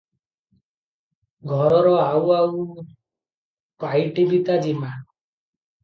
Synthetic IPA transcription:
ɡʱɔɾɔɾɔawaw | pajʈibit̪ad͡ʒima

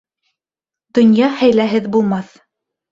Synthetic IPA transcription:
d̪̥ŏnjɑhæjlæɦɘðbulˠmɑθ

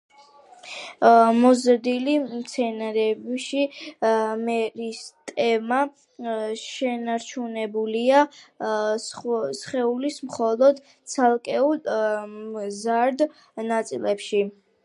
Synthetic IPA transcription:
mɔzɾd̪ilimt̪sʰɛnaɾɛbʃi | mɛɾist̪ʼɛma | ʃɛnaɾt͡ʃʰunɛbulia | sχɛulismχɔlˠɔd̪ | t̪sʰalˠkʼɛul | zaɾd̪ | nat̪sʼilɛpʃi

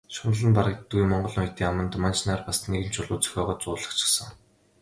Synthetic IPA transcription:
ʃʊn̆ɮə̆npaɾə̆k̚t̪ɡujmɔɴɢɞ̆ɮnʊjt̪iːŋamə̆nt̪mant͡ɕnaːrpasneɣɘ̆nt͡ɕʰʊɮʊːt͡sœ̥xʲɔːʁɔːt͡sʊːɮə̆χt͡ɕʰɪ̥̆sə̆ŋ

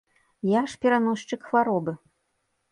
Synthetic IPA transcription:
jaʂpʲɛɾanɔʂt͡ʂɨkxvaɾɔbɨ

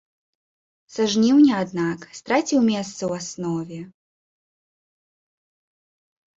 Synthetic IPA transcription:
saʐnʲiwnʲɛad̪nakst̪ɾat͡sʲiwmʲɛst̪sɐwasnɔvʲɛ

